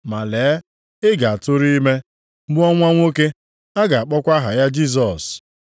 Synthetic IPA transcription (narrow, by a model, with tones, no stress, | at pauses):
ma˨leː˨˦ | ɪ˦ɡa˨a˨tʊ˦ɾi˦i˦me˦ | bʊ˦ɔ˦ŋʷa˦ŋʷo˦ke˦ | a˦ɡa˨a˨k͡pɔ˦kʷa˦ɦa˨ja˦d͡ʒi˦s̬ɔ˨s